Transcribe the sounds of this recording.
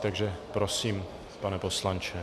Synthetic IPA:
t̪aɡʒɛpɾosiːm | panɛpo̞slant͡ʃɛ

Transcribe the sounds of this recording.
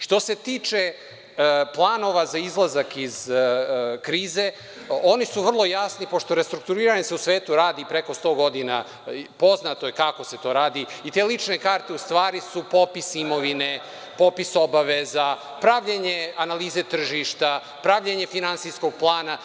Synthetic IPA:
ʃt̪o̞se̞t̪iːt͡ʃe̞ | plˠaːno̞ʋazaizlˠazakiz | kɾiːze̞ | o̞nisuʋr̩lˠo̞jasnipo̞ʃt̪o̞ɾest̪ɾuk̚t̪uɾiːɾaɲeseusʋe̞ːt̪uɾaːd̪ipɾe̞ko̞st̪o̞ːɡo̞d̪ina̰ | po̞znat̪o̞jekako̞se̞t̪o̞ːɾaːd̪iit̪e̞ːlit͡ʂne̞kaːɾt̪eust̪ʋaːɾisupo̞pisimo̞ʋine̞ | po̞piso̞baʋeza | pɾaʋʎeɲeanaliːze̞t̪r̩ʒiʃt̪a | pɾaʋʎeɲe̞finansijsko̞ɡ̚plˠaːna

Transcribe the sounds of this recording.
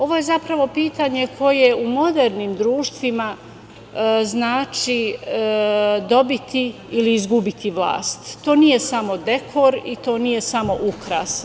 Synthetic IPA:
o̞ʋo̞je̞zapɾaʋo̞piːt̪aɲekʰo̞je̞umo̞d̪eɾniːmd̪ɾuːʃt̪ʋima | znaːt͡ʃi | d̪o̞bit̪i | iliizɡubit̪ʰiʋlˠa̰ːst̪ːo̞ːnije̞samo̞d̪e̞kʰoɾit̪o̞ːnije̞samo̞ʔukɾa̰s

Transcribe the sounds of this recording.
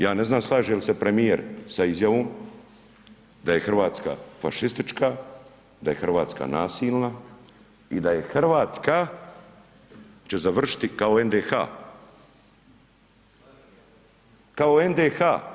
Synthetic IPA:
jaːne̞znaːmslˠaːʒijelisepɾe̞mijeɾsaizjaʋoːm | d̪aje̞xr̩ʋaːt̪ska̰fa̰ʃist̪it͡ʃka | d̪aje̞xrʋaːt̪ska̰naːsiːlˠna | id̪aje̞xrʋaːt̪ska | t͡ɕe̞zaʋr̩ʃi̥t̪ikaoend̪exa̰ː | kaoend̪exaː

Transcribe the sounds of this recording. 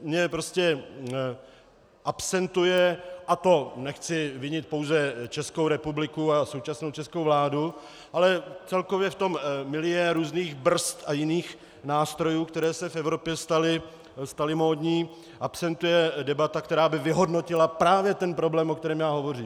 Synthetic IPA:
mɲɛpɾo̞scɛ | ʔapsɛnt̪ujɛʔat̪o̞nɛxt͡sɪvɪɲɪt̪̚po̞wzɛt͡ʃɛskowɾɛpublɪkuaso̞wt͡ʃasno̞wt͡ʃɛskowvlaːdu | ʔalɛt͡sɛlko̞vjɛft̪o̞mːɪlɪjɛɾuːzniːɣbr̩st̪ʔajɪniːx | naːst̪ɾo̞juːkt̪ɛɾɛːsɛfɛvɾo̞pjɛst̪alɪ | st̪alɪmoːdɲiː | ʔapsɛnt̪ujɛdɛbat̪ak̚t̪ɛɾaːbɪvɪɦo̞dno̞cɪlapɾaːvjɛt̪ɛnpɾo̞blɛːmʔokt̪ɛɾɛːmjaːɦo̞vo̞riːm

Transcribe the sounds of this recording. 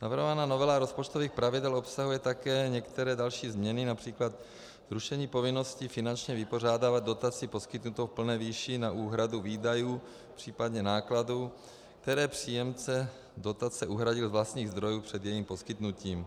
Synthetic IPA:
navr̩ɦovanaːnovɛlaɾospot͡ʃt̪oviːxpɾavɪdɛlo̞psaɦujɛt̪akɛːɲɛkt̪ɛɾɛːdalʃiːzmɲɛnɪnapr̝̥iːklat̪ | zɾuʃɛɲiːpo̞vɪnoscifɪnant͡ʃɲɛvɪpo̞raːdaːvad̪̚do̞t̪at͡sipo̞skɪt̪nut̪owpl̩nɛːviːʃɪnaʔuːɦɾaduviːdajuː | pr̥iːpad̪ɲɛnaːkladu | k̚t̪ɛɾɛːpr̝̥iːjɛmt͡sɛ | do̞t̪at͡sɛʔuɦɾaɟɪlzvlast̪ɲiːɣzd̪ɾo̞juːpr̝̥ɛd̪jɛjiːmpo̞skɪt̪nuciːm

